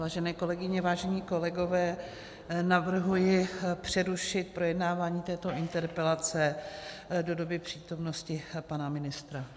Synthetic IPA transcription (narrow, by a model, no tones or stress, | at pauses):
vaːʒɛnɛːko̞lɛɡɪɲɛvaːʒɛɲiːko̞lɛɡo̞vɛː | navr̩ɦujɪpr̝̥ɛɾuʃɪt̪̚pɾo̞jɛdnaːvaːɲiːt̪ɛːt̪o̞ʔɪnt̪ɛɾpɛlat͡sɛ | do̞do̞bɪpr̝̥iːt̪o̞mno̞scɪpanamɪnɪst̪ɾa